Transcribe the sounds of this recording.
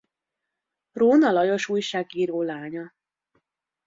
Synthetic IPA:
roːnɒlɒjo̞ʃuːjʃaːɡiːɾoːlaːɲɒ

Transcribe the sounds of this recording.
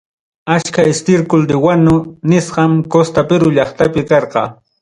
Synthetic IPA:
at͡ʃkaɪst̪ɪɾkʊld̪ɪwanʊnɪsɢɑmkost̪apɪɾʊʎɑχt̪apɪkɑɾqɑ̰ː

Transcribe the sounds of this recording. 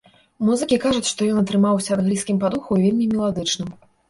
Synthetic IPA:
muzɨkʲikaʐut͡sʲʂt̪ɔjɔnɐt̪ɾɨmawsʲɐɐd̪ɣɾʲiskʲimpad̪uxuvʲelʲmʲimʲɛlˠad̪ɨt͡ʂnɨm

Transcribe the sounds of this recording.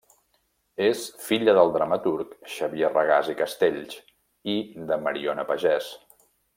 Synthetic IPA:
esfiʎəðəlˠd̪ɾəmət̪uɾkʃəβierəɣazikəst̪eʎs | id̪əməɾionəpəʒɛs

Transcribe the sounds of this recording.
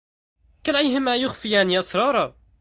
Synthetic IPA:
kalʔajɦɪmajʊxfijaːniʔɑsˤɾˤɑːɾˤɑ

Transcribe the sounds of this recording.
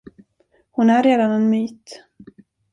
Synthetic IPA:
hʊnæɾeːd̪anɛnmyːt̪

